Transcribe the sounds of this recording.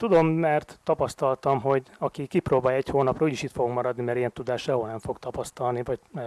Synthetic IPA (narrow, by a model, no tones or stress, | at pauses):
t̪ud̪o̞mːɛrt̪ːɒpɒst̪ɒlt̪ɒmɦo̞ɟɒkikiproːbaːjɛchoːnɒprɒuːɟiʃit̪foɡoɡkmɒɾɒd̪nimɛɾijɛnt̪ud̪aːʃɛɦolnɛɱfo̞ɡt̪ɒpɒst̪ɒlnivɒɟ